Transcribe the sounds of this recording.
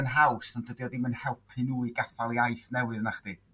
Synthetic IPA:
ənɦawsɔnd̥ədiɔdimənhɛlˠpʰɨnuːiɡafalˠiajθnɛwɨrnaχd̥i

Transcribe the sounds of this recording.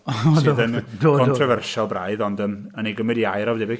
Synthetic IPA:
ʃdðəndkʰɔntʰrɔvɛrʃɔlˠbra̰ɨðɔndəm | əneɡəmɨdiajɾɔvdɛbɪ

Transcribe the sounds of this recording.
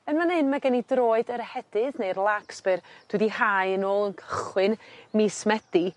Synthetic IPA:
ənmanhɨnmaɡɛnidroːɨdəɾhɛd̥ɨðnejrlˠaksb̥ɨrd̥wɨdihajənoːlˠənkʰəχwɨnmismɛd̥i

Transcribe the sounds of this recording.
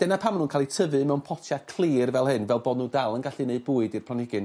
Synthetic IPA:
d̥ɛnapʰamnuːnkʰalˠitʰəvɨmɛwnpʰɔtʰjakʰl̥ˠiːrvɛlˠɦɨnvɛlˠbɔːdnuːdalˠənɡaɬineɨd̚buːɨdirpʰlˠanɪɡɨn

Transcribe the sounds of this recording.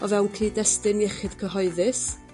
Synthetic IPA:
ɔvɛwnkʰiːdɛstɨniɛχɨd̥kʰəɦɔɨðɨs

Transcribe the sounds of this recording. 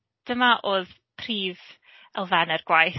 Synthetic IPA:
d̥əmaʔoːð | pʰriːv | əlˠvɛnərɡ̥wajθ

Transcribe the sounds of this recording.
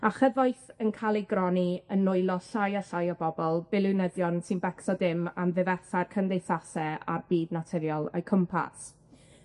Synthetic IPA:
aχəvɔjθənkʰalˠiɡrɔniənːʊɨlˠɔsajasajɔbɔbɔlˠb̥ɪlˠɪnəðjɔnsinbɛksɔdɪmamðɪvɛθarkʰəndejθasɛa̰rb̥iːdnatʰɪɾjɔlˠɔ̰jkʰəmpʰa̰s

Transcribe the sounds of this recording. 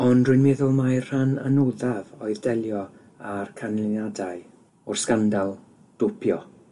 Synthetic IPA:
ɔndrʊnmɛðʊlˠmajr̥ananuðavoɨðdɛlˠjɔ | arkʰanlɪnadaj | ʊrskandalˠ | d̥ʊpʰjɔ

